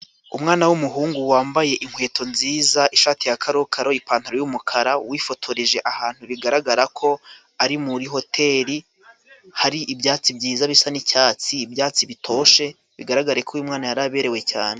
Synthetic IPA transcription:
umŋaːnawumuɦuːŋɡuwaːmbaje̞ʔiŋhwe̞ːtʰo̞nziːzaʔiʃaːtijakʰaɾokʰaɾo̞ipaːntuɾojumukʰaɾawifo̞tʰo̞ɾiʒe̞ʔahaːn̥huβiɡaɾaɡaɾakʰo̞ | aɾimuɾiɦo̞tʰe̞ːɾi | haɾiʔibjaːt͡sibɟiːzaβisanicaːt͡siːbjaːt͡siβitʰo̞ːʃe̞ | βiɡaɾaɡaɾaekʰojumŋaːnajaɾaβe̞ɾe̞we̞ca̰ːne̞

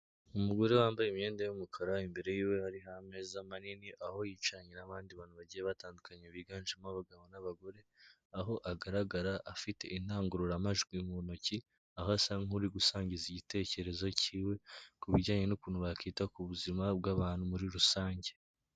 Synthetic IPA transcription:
umuɡo̞ɾe̞waːmbajeme̞ːndajumukʰaɾaimbe̞ɾe̞jiːwe̞haɾiɦame̞zamaniniʔaho̞jiːt͡ʃaɲenaβaːndiβaːn̤huβaɟijeβataːndukaɲeβiɡaːnʒimaβaɡaβonaβaɡo̞ɾe̞ | aɦo̞ʔaɡaɾaɡaɾaʔːfite̞̰ʔin̥aːŋɡuɾuɾamaʒɡwimuβonoci | ahasaŋuɾiɡusaːɲɟiziɟite̞ːce̞ɾe̞zo̞ciːwe̞kuβiɟaːɲe̞nukuːn̤huβakiːtakuβuzimabɡaβaːn̥humuɾiɾusaːɲɟe̞

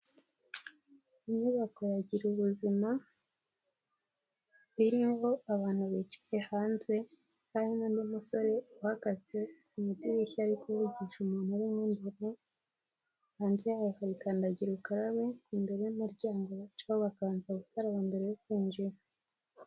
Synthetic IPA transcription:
imɲuβakoɾaɟiɾuβuzima | βiɾimho̞aβaːn̥huβit͡ʃi̥jehaːnze̞ | haɾimondumuso̞ɾe̞uhaɡaze | umutiβiçaɾikuβuɟiʃumuːn̥huɾimŋeːnduɾu | haːnzijaːβohaβikaːndaɟiɾukaɾaβekuːmbe̞ɾejumuɾɟaːŋɡoβat͡ʃahoβakaːnzaɡutaɾaβambe̞ɾe̞jokwiːnd͡ʒiɾo

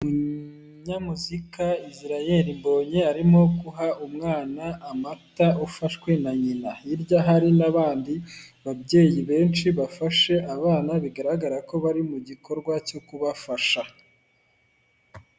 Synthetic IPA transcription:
mu | ɲamuzikaiziɾaje̞ɾimbo̞ːɲe̞aɾimo̞kuɦaʔumŋaːnaːmataʔufaʃwe̞naɲinaiɾjaɦaɾinaβaːndiβabɟe̞ːjiβe̞ːnt͡ʃiβafaʃe̞ʔaβaːnaβiɡaɾaɡaɾako̞βaɾimuɟiko̞ɾɡwacokuβafaʃa

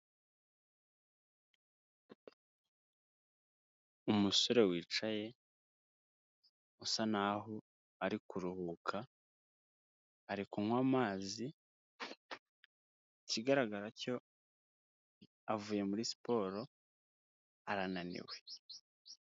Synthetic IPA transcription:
umusoɾe̞wiːt͡ʃaje̞ | usanaɦo | aɾikuɾuhuːkʰa | ɾikumwaːmaːzi | ciɡaɾaɡaɾaco̞ | avuːje̞muɾisi̥po̞ːɾo̞ | aɾananḭwe̞

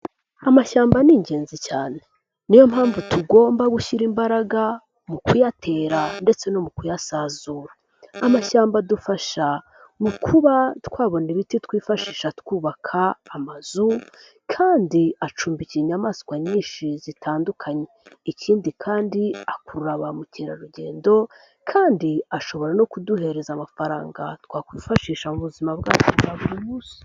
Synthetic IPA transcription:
amaʃaːmbaniːɲɟe̞ːnzicaːne | nijo̞mhaːɱvutʰuɡo̞ːmbaβuʃiɾimbaɾaɡa | mukujatʰe̞ːɾande̞t͡se̞no̞mukujasaːzuːɾaː | maʃaːmbadufaʃa | mukʰuβatkwaːβo̞niβititwiːfaʃiːʃatkuːβakʰaːmaz̥u | kʰaːndiat͡ʃuːmbiciɲamaːskwaɲiːnʃizitʰaːndukʰaɲe̞iciːndikʰaːndiakuɾuɾaβamuciːɾa̰ɾuɟe̞̰ːndo̞ | kʰaːndiaʃo̞βo̞ɾano̞kuduhe̞ɾe̞zamafaɾa̰ːŋɡa̰tkwaːkwiːfaʃiːʃamuβuzimabɡaːt͡ʃoaβuɾimuːsi̥

